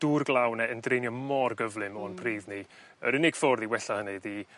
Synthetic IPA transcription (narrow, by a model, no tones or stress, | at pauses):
d̥uːrɡlˠawnɛəndrejnjɔmɔrɡəvlˠɨmɔnpʰriːðni | əɾɪnɪɡ̥fɔrðiwɛɬahənɨði